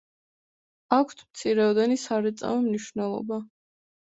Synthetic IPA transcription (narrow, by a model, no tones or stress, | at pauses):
akʷʰt̪ʰmt̪sʰiɾɛɔd̪ɛnisaɾɛt̪sʼa̰vɛmniʃvnɛlˠɔ̰ba